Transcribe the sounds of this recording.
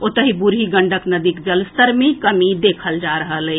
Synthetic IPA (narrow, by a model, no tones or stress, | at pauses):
ot̪əɦibuɾɦiɡəɳɖəknəd̪ikd͡ʒəlst̪əɾmekəmid̪ekʰəld͡ʒaɾəɦələ